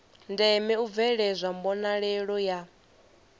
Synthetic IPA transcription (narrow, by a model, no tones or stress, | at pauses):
ndɛmɛub̪vɛɺɛzʷambɔnaɺɛɺɔja